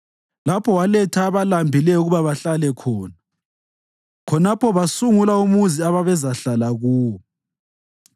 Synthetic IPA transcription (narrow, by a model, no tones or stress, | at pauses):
lapʰɔwalɛtʰaːβalambʱilɛuɣuβaβaɬalɛkʰɔːna | kʰɔnapʰɔβasuŋulaumuziaβaβɛzaɬalaɣuːwɔ